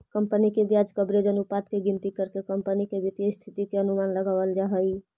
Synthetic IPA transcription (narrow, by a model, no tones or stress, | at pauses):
kəmpənikebjad͡ʒkəbɾed͡ʒənupat̪keɡint̪ikəɾkekəmpənikebit̪jəst̪ʰit̪ikeənumanləɡaʋəld͡ʒaɦəj